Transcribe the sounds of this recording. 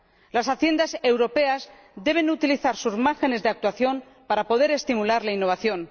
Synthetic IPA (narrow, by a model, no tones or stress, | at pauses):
lasaθje̞nd̪ase̞wɾo̞pe̞az | d̪e̞β̞e̞nut̪iliθaɾsuzmaɾxe̞ne̞zðe̞ak̚t̪waθjo̞m | paɾapo̞ð̞e̞ɾe̞st̪imulaɾlainːo̞β̞aθjo̞n